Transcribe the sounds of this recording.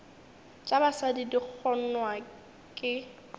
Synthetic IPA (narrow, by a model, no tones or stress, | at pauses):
t͡ʃʼabasadidik͡xʰɔn̩nwa | kʼɪ